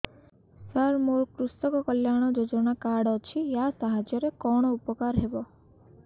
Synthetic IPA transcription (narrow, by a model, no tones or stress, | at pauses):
saɾmoɾkɾust̪ɔkɔkɔljaɽ̃ɔd͡ʒod͡ʒɔɽ̃akaɽɔt͡ʃʰijasaɦad͡ʒjɔɾekɔɽ̃ɔupɔkaɾɦebɔ